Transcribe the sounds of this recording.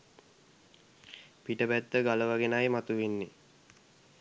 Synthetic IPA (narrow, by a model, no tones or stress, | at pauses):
piʈəbæt̪ːəɡaləʋaɡenajmat̪uʋenːe